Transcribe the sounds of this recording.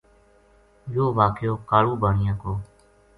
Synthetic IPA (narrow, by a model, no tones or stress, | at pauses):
joːʋaːkjoːkaːɾuːbʱaːɳɪjãːkoː